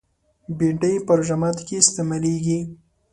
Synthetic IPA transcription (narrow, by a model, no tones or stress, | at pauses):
biɳʈəjpəɾʒamɑt̪kest̪emaleɡi